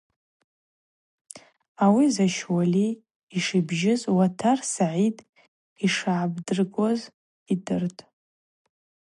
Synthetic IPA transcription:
awizaʃwaliː | ʂibʒɪzwatʰarsaʕitʼ | iʂaʕːbdɨrɡʷoz | idɨrtʼ

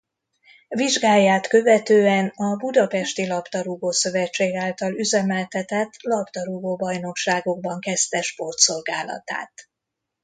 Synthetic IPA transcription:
viʒɡaːjːaːt̪kø̞vɛt̪øːɛnɒbud̪ɒpɛʃt̪ilɒpt̪ɒɾuɡoːsø̞vɛt͡ʃːeːɡaːlt̪ɒlyzɛmɛlt̪ɛt̪ɛt̪ːlɒpt̪ɒɾuɡoːbɒjno̞kʃaːɡo̞ɡ̚bɒŋkɛst̪ɛʃpo̞rt̪so̞lɡaːlɒ̰t̪a̰ːt̪

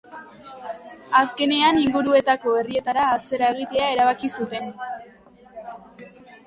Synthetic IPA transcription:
aske̞ne̞aniŋɡuɾue̞t̪ako̞e̞rie̞t̪aɾaːt͡se̞ɾae̞ɣ̞it̪e̞ae̞ɾaβ̞akisut̪e̞n

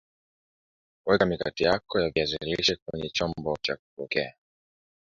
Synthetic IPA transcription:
uwɛkamikatijakɔjaviaziliʃɛkwɛɲɛt͡ʃɔmbɔt͡ʃak̚u̥pɔkɛa

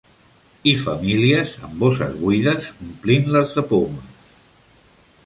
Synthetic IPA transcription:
ifəmiliəzə̰mbosə̰zɣuiðəsumplinləzðəpoməs

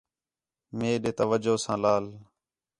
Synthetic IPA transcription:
meːɗeːt̪əʋəd͡ʒoːsãːlaːl

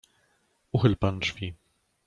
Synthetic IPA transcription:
uxɘlpanʐ̥vʲi

